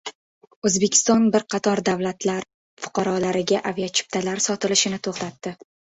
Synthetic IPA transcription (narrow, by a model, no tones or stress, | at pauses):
ɵzbe̞kʲʰɪ̥st̪ɒnbɪɾqʰɑt̪ʰɒɾd̪avlat̪ʰlaɾ | fʊ̥qʰɑɾɒlaɾɪɡʲaʔavijat͡ʃʰɪ̥p̚t̪ʰalaɾsɒt̪ɪlɪʃɪnɪt̪ʰoχt̪at̪ːɪ